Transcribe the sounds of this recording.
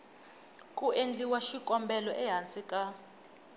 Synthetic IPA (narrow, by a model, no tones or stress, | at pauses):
kʼuʔend͡ɮiwaʃikʼɔmbɛlɔʔɛɦant͡sʼikʼa